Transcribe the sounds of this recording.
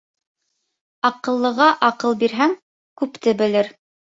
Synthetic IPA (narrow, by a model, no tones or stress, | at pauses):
ɑqɤ̆lˠːɤ̆ʁɑʔɑqɤlˠbiɾɦæŋ | kʉpt̪ɘbɘ̆lɘɾ